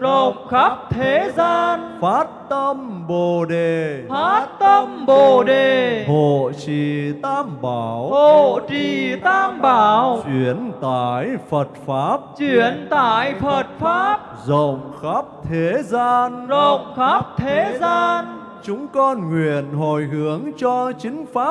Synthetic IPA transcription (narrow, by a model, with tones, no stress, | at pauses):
zə˧˨wŋ͡mŋ͡mxaː˦˥p̚t̪ʰe˨˦zaː˧nfaː˦˥t̚t̪ə˧mɓo˨˩ɗe˨˩faː˦˥˦t̚t̪ə˧mɓo˨˩ɗe˨˩ho˧˨t͡ɕḭ˧˨t̪aː˧mɓaː˨˩who˧˨˩t͡ɕḭ˧˨t̪aː˧mɓaː˨˧˩wt͡ɕwi˨˧˦ənt̪aː˧˩jfə˨˩t̚faː˦˥p̚t͡ɕwi˧˨˧ənt̪aː˧˩jfə˨˩t̚faː˦˥p̚zə̰˧˨wŋ͡mxa˦˥p̚t̪ʰe˨˦zaː˧nzə˧˨wŋ͡mxaː˦˥p̚t̪ʰe˨˦˨zaː˧n | t͡ɕʊ˨˦ŋ͡mkɔ˧nŋwi˨˧˨ənɦo˧˨˩jɦɨ˨˦əŋt͡ɕɔ˧t͡ɕï˨˦ŋ̟faː˦˥